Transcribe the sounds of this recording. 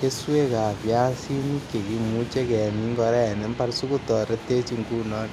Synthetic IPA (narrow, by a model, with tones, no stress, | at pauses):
ke˦swe˦ka˨pja˦si˦ni˦ke˨ki˨mu˦t͡ʃe˦kɛ˨ni˦ŋɡɔ˧ɾɛ˦˨ne˦mpa˦rsu˦ku˦tɔ˨ɾe˦te˦t͡ʃi˦ŋɡu˦nɔ˦n